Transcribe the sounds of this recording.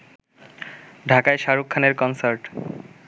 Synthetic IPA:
ɖʱakaeʃaɾukʰːaneɾkɔnsaɾʈ

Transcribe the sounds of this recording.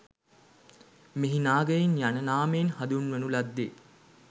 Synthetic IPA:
meɦinaːɡəjinjanənaːmeːnhad̪unʋənulad̪ːeː

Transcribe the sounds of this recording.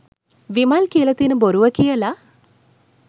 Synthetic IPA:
ʋimaːlkiɐlɐt̪inɨboɾuʋɐkijɐlɐ

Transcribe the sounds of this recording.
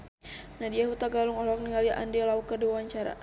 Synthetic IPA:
nadiaɦut̪aɡaluŋɔɦlɔk̚niŋaliʔa̰ndɛlaukəduawaɲt͡ʃaɾa̰

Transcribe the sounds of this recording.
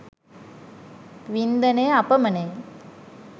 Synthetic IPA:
ʋind̪ɐneːapəmɐneː

